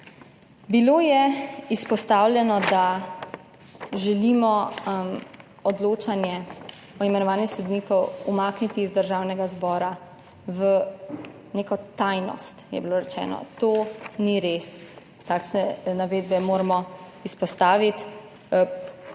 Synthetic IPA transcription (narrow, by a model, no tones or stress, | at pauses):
biloːjɛispɔst̪aːwlʲjɛnɔd̪a | ʒɛlimɔ | ɔd̪loːt͡ʃanjɛ | ɔimɛnɔʋaːnjixsod̪niːkɔwumaːknit̪iːzd̪əɾʒaːwnɛɡazbɔːɾa | ʋə | neːkɔt̪ajnɔ̰st̪jɛ̰biloːɾɛt͡ʃɛ̰ːnɔ̰t̪oːniɾeːs | t̪aːkʃnɛnaʋeːd̪bɛmoːɾamɔispɔst̪aːʋit̪